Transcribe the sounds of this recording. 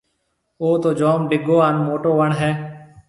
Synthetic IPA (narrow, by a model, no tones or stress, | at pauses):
oːt̪oːd͡ʒoːmɖɪɡoːaːnmoːʈoːʋəɳɦɛː